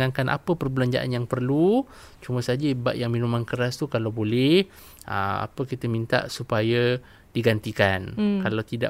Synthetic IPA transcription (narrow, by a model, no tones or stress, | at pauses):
ankanʔa̰pəpərbəlaɲd͡ʒa̰ʔa̰njaŋpərlu | t͡ʃumə̃sad͡ʒəba̰ʔjaŋminumankəɾast̪ukalawbolɛh | ʔə̰a̰pəkit̪əmint̪a̰ʔsupajə | d̥iɡant̪ikankalawt̪ida̰ʔ